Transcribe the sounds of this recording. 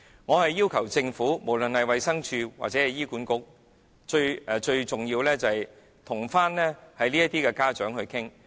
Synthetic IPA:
ŋɔː˨˧hɐ˨jːiː˥wkʰɐ˨˩wt͡sɪ˧ŋfuː˨˥mo˨˩wlɵ˨nhɐ˨jwɐ˨jsɐ˥ŋt͡ʃʰyː˧wa̰˨k̚t͡sɛː˨˥ɐ˨˩jiː˥kuː˨˥nkʊ˥k̚ | t͡ʃɵ˧ɥɛː˨˧t͡ʃɵ˧ɥt͡sʊ˨ŋjiː˧wlɛː˥t͡sɐ˨hɐ˨˩j | t̪ʰʊ˨˩ŋfaː˥nlɛː˥hɐ˨jliː˥ɐ˥t̪iː˥kɛ˧kaː˥t͡ʃœː˨˥ŋɦɵ˧ɥkʰɪ˥ŋ

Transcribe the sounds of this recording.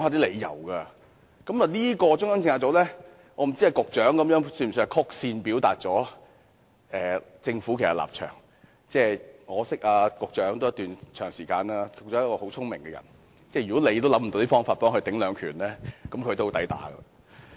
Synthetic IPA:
ŋhaː˧t̪iː˥le˨˧jjɐ̰˨˩wɡɐː˧ | kɐ˨˥ma˨˩liː˥kɔː˧t͡sʊ˥ŋsɐ˥ŋt͡sɪ˧ŋaː˧t͡sɔː˨˥lɛː˥ | ŋʔɔː˨˧m̩˨˩t͡si˥ɐ˨˧jkʊ˨k̚t͡ʃœː˨˥ŋkɐ˨˥mjœː˨˥ŋsy˧˩m˨˩skʰʊ˥k̚siː˧npi˨˥wt̪aː˧t̚t͡sɔː˨˥ | ɛː˨t͡sɪ˧ŋfu˨˥kʰe˨˩sɐ˨˩la̰ː˨˩p̚t͡ʃʰœ̰ː˨˩ŋ | t͡sɛː˧˩ŋɔː˨˧sɪ˥k̚ʔaː˧kʊ˨k̚t͡ʃœː˨˥ŋt̪o˥wjt̪yː˨nt͡ʃʰœː˨˩ŋsiː˨˩kaː˧naː˧˥kʊ˧k̚t͡sɔː˨˥jɐ˥kɔː˧ho˨˥wt͡sʰʊ˥ŋmɪ̰˨˩ŋɡɛ˧jɐ̰˨˩n | t͡sɛː˥˩jɥy˨kɔ˨˥le˨˧jt̪lɐ˨˥m̩˨t̪o˧wt̪iː˥fɔː˥ŋfaː˧t̚pɔː˥ŋhɵ˧t̪ɪ˨˥ŋlœː˨˧ŋkʰyː˨˩nlɛː˥kɐ˨˧˥mkʰɵ˧t̪o˥wt̪ɐ˨˥jt̪a̰ː˨˥ɡɐ̰˧lɐ̰˧

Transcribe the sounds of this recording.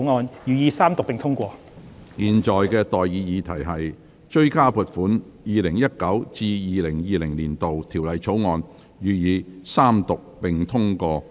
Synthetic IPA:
ŋɔː˨˧njyː˨jiː˨˧saː˥mt̪ʊ˨k̚pɪ˨ŋt̪ʰʊ˥ŋkʷɔː˧ | jiː˨nt͡ʃɔː˨jkɛː˧t̪ɔː˨jːiː˨˧jiː˨˧t̪ʰɐ˨˩jɦɐ˨j | t͡ʃɵ˥˧ɥkaː˥puː˨˩t̚fuː˨˥n | jiː˨lɪ˨˩ŋjɐ˥t̚kɐ˨˥wt͡siː˧jiː˨˧lɪ˨˩ŋjiː˨lɪ˨˩ŋliː˨˩nt̪o˨wt̪ʰiː˨˩wlɐ˨jt͡sʰo˨˥wŋɔː˧n | jyː˨jiː˨˧saː˥mt̪ʊ˨k̚pɪ˨ŋt̪ʰʊ˥ŋkɔː˧

